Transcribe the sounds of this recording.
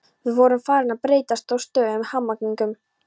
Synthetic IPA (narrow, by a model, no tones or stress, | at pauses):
vɪðvɔɾʏmfaːɾɪnaðpɾeːjt̪ast̪awst̪œːðʏmhamːakniŋkʏm